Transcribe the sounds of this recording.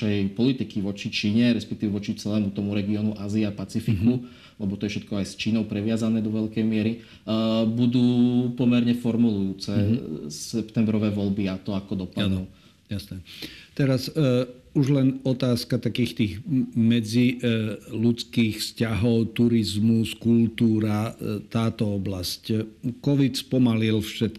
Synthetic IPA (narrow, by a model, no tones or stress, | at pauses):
ɛjpɔlit̪ikiʋɔt͡ʃit͡ʃiːɲɛɾɛspɛkt̪iːʋɛʋɔt͡ʃit͡sɛlɛːmut̪ɔmuɾɛɡiɔːnuʔaːziapat͡sifiku | lɛbɔt̪ɔjɛfʃɛt̪̚kɔajst͡ʃiːnɔʊpɾɛʋɪazanɛːd̪ɔʋɛʎkɛjmɪɛɾi | bud̪uːpɔmɛɾɲɛfɔɾmulujuːt͡sɛsɛpt̪ɛmbɾɔʋɛːʋɔʎbiat̪ɔakɔd̪ɔpadnɔ | jasnɛt̪ɛɾas | uʒlɛnɔt̪aːskat̪akiːxt̪iːɣmɛd͡zi | lut͡skiːxfscaɦɔʊt̪uɾizmuskult̪uːɾat̪aːt̪ɔɔblasckɔʋit̪spɔmalilfʃɛt̪̚